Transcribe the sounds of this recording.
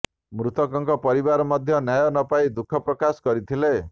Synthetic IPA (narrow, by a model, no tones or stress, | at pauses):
mɾut̪ɔkɔŋkɔpɔɾiβaɾɔmɔd̪ʱjɔnjajɔnɔpaid̪ukʰɔpɾɔkasɔ̥ɡɔɾit̪ʰile